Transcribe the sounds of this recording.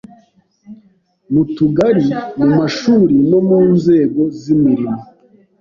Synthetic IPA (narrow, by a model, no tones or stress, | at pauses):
mutuɡaɾimumaʃuːɾino̞muːnze̞ːɡo̞zimiɾima